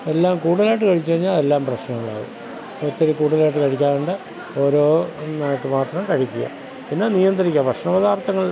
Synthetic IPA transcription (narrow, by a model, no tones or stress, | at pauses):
e̞lːaːmkuːɽɐðlaːjʈ̬ːɨkɐɻit͡ɕːɨɐɲːaːe̞lːaːmprɐɕnɐŋːɐɭa̰ːðɨ̰ | t̪ːɐɾukːuːʈuðlaːjʈːɨkɐɻikʲːaːnuɳɖɨ | o̞ːɾoːneɐʈːɨmaːt̪rɐmkɐɻikʲːuja̰ | pinːenijɐnd̪ɐɾikʲːɐprɐʂnɐʋɐðaːrt̪ɐŋːɐɭ